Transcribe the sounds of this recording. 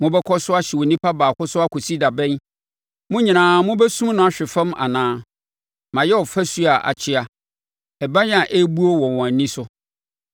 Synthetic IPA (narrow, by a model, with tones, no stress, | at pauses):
mʊ̃˦bɛ˦kʰɔ˦sʊ˦a˦ɕɛ˨wo˨nĩ˦pʰa˦baː˨kʊ˦sʊ˦a˦kʰo˨si˦da˨bɛ̃˦n | mʊ̃˦ɲĩ˨nãː˨mʊ̃˦bɛ˦sũ˦m˦nʊ̃˦a˨ɕᶣɪ˨fã˦ma̰˨nãː˦ | mã˨jɛ˦ɔ˨fæ˦su˦a˨ʔa̰˨t͡ɕʰɪ˦a˨ | ɛ˨ba˦ɲ˦a˨ʔe˦bu˦o˦wɔ̃˨wɔ̃˨æ˨nĩ˦sʊ˦